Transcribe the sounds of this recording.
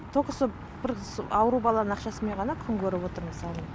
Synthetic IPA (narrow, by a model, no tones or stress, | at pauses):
t̪ʰo̞kəsə | bɪɾsɑwəɾubɑlˠɑnənɑqʃɑsəme̞ɴʁɑnɑkʲʰʏŋkʲʰɵɾɪpwo̞t̪əɾməsɑlˠən